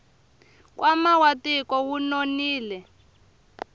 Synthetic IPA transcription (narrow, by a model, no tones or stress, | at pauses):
k̬ʼwʔamawatikɔwunoniːlɛ